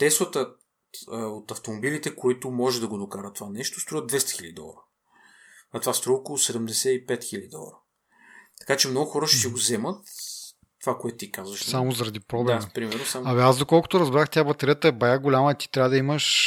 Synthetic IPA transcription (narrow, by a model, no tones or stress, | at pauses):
t̪ɛsvət̪ə | ot̪ɐft̪omobilit̪ɛkoit̪ʊmɔʒɛd̪ɐɡod̪okaɾət̪ovanɛʃt̪o̥st̪ɾuvəd̪d̪vɛst̪ə̥xiləd̪id̪ɔ̰lˠə̰ɾə | nɐt̪ovast̪ɾuɔokolˠʊsɛd̪ɛmd̪ɛsɛipɛt̪xilʲəd̪id̪ɔ̰lˠə̰ɾə | t̪ɐ̥kat͡ʃɛmnɔɡʊxɔɾəʃɛt̪iɡozɛmət̪ː | ovakoɛt̪ʊt̪ikazvəʃsamozɐɾɐd̪ipɾoɔblampɾimɛɾnosaaviazd̪okɔlˠkʊ̥t̪ʊɾɐzbɾaxt̪ʲjabɐt̪eɾijət̪ɐɛbɐjaɡolʲaməit̪i̥t̪ɾʲavəd̪ɐiməʃ